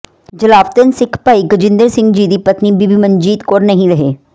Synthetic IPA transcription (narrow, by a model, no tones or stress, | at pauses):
d͡ʒəlaːʋt̪ənsɪkʰpaːiɡəd͡ʒɪ̃nd̪əɾsɪ̃ŋɡd͡ʒiːd̪iːpɐt̪nibibiːməɲd͡ʒiːt̪koːɾnɐɦĩɾɐɦeː